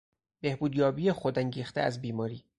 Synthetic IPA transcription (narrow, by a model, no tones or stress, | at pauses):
b̥e̞hbuːd̪jɒːbiːjexod̪æŋɟiːxt̪ʰḛæzbiːmɒːɾiː